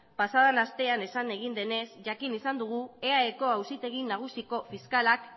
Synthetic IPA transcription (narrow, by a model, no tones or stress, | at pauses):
pasað̞anast̪e̞ane̞sane̞ɣ̞ind̪e̞ne̞sʝakinisand̪uɣ̞ue̞aeko̞awsit̪e̞ɣ̞inaɣ̞usiko̞fiskalak